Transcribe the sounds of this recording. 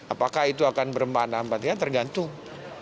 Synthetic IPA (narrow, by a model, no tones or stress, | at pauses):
ʔapakahit̪uakanbəɾəmbandampat̪ɲat̪ərɡant̪ʊŋ